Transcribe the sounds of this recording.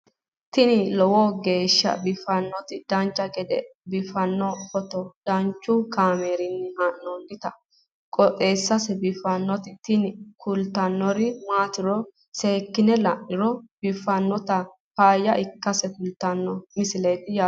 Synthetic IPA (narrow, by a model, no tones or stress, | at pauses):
t̪ɪnɪlɔwɔɡe̞ːʃːɐ̰bɪfɐnːɔt̪ɪd̪̥ɐnt͡ʃʼːɐkʼɛd̪ɛbɪfɐnːɔfɔt̪ɔd̪̥ɐnt͡ʃːʊkaːmeːɾɪnːɪhɐʔnɔnd̪ɪt̪ɐ | kʼɔt̪ʼeːsːɐsɛbɪfɐnːɔt̪ɪt̪ɪnɪkʊlt̪ːɐnːɔɾɪmaːt̪ɪɾɔ | seːkːɪnɛlɐʔːɪɾɔb̥ɪfːɐnːɔt̪ɐ | paːjːɐʔɪkːɐsɛkʊlt̪ːɐnːɔmɪsɪlejt̪ɪjaː